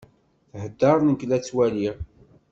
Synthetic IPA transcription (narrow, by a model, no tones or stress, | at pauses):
θhəd̪ːɑɾˤnəklæt͡sːwæliɾ